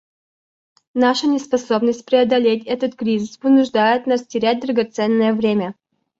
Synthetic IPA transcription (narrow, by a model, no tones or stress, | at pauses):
naʂənʲɪspɐso̞bnəsʲt̚ʲpɾʲɪɐd̪ɐlʲetʲɛt̪ət̪kɾʲizʲɨspɨnʊʐd̪ajɪt̪nastʲɪɾʲæt̚ʲd̪ɾəɡɐt̪sɛnːəjəvɾʲemʲə